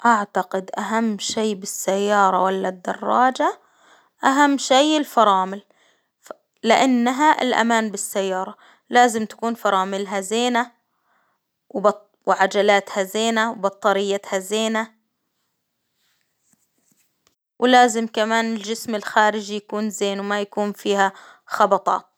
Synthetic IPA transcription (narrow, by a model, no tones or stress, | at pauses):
ʔaʕt̪aqɪd̪ʔaɦamːʃiːbɪsːajːɑːɾˤɑwalːad̪ːɑ̰rˤːɑːd͡ʒa | ʔaɦamːʃejɪlfɑɾˤɑːmɪl | lɪʔanːaɦaʔɪ̰lʔa̰maːnbɪsːajːɑːɾˤɑ | laːzɪmt̪ḁkuːnfɑɾˤɑːmɪlɦazeːna | wbɑ | wʕad͡ʒalaːt̪hazeːnawbɑt̪ˤːɑɾɪjːat̪hazeːna | wʔlaːzɪmkamaːnɪld͡ʒɪsmɪlxaːɾɪd͡ʒijakuːnzeːnwmajakuːnfiːha | xɑbɑt̪ˤɑ̰ːt̪̚